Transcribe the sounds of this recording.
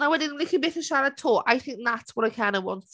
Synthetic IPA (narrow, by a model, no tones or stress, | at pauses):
naɪwədɪ̃nlɪkəbɪtəʃaɹətʰɔaɪθɪ̃ŋk̚ðatswʌɾaɪkʰãɪ̃ndəwɒ̰̃nt